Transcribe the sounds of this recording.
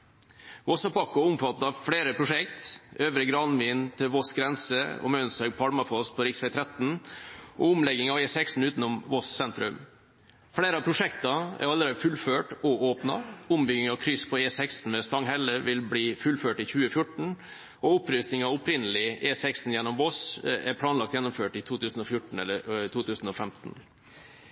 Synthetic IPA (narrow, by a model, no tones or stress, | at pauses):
ʋɔsɑpɑkːʊʊmfɑt̪ːɑɑʋfɽeːɾəpʰɾʊʂɛkt̪ʔøːʋɾəɡɾɑnʋɪːnt̪ʰɪlʋɔsɡɾɛnsəɔ̰mœnsœɡ̚pʰɑlmɑfɔspʰɔɾɪksʋɛɪt̪ʰɾɛt̪n̩ʔɔʊmlɛɡːɪŋɑʋeːsɛkst̪n̩ʉːt̪n̩ʊmʋɔssɛnt̪ɾʉm | fɽeːɾəɑpʰɾʊʂɛkt̪ɑæ̰ɾɑlːəɾeːd̪əfʉlføːʈɔoːpnɑ̰ʊmbʏɡɪŋɑʋkʰɾʏspʰɔeːsɛkst̪n̩mɛst̪ɑŋɦɛlːəʋɪlbliːfʉlføːʈɪçʉːəfjʊʈːɳ̩ | ɔʊpɾʏst̪ɪŋɑʊpɾɪnəlɪeːsɛksn̩jɛnːɔmbosæɾpʰlɑːnlɑkt̪jɛnːʊmføːʈɪt̪ʰuːt̪ʰʉːsn̩ɔfjʊʈɳ̩ɛlːət̪ʰuːt̪ʰʉːsn̩ɔfɛmt̪n̩